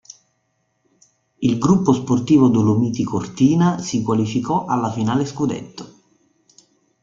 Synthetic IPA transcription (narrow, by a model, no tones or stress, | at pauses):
ilɡɾupːosport̪iːvod̪ulomiːt̪ikort̪iːnasikwalifikɔʔalːafinaːleskud̪ɛ̰t̪ːo̥